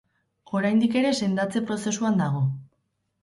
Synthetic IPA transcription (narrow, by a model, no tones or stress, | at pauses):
o̞ɾajnd̪ike̞ɾe̞se̞nd̪at͡se̞pɾo̞se̞suand̪aɣ̞o̞